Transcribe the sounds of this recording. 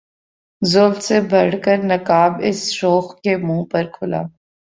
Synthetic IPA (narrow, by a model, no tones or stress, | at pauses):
zoːlsebʱɐɽ̤kəɾnɐkaːbɪsɾoːxkemũːpɐɾkʰʊla̰ː